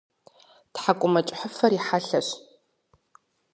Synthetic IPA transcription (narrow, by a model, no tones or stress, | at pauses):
tħakʷʼʊmɐt͡ʃʼħəfɐɾiħaɬɐɕ